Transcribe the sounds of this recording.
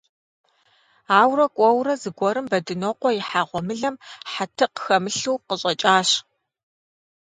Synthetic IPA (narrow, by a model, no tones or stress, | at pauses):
aːwrɐkʷʼɔwrɐzɨɡʷɔɾɨmbɐdɨnoqʷɔjɪħaːʁʷɔmɨɮɐmħatʰɨqəxɐmɨɬuːqəɕʼɐt͡ʃʼaːɕ